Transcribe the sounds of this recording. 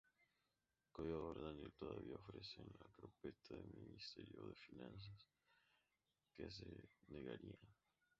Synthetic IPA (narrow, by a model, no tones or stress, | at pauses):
kojoɣoɾðanelt̪oðaβiaofɾesonlakɾopet̪ʰaðelminist̪eɾjoðefinãns̬as | kes̬eneɣaɾia